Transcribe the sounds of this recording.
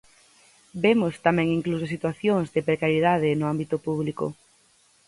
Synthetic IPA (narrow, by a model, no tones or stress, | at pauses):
bemost̪amɛ̃ŋiŋklusosit̪waθjoŋzðɪpɾekaɾjeðað̞enʊambit̪ʊpuβliko̰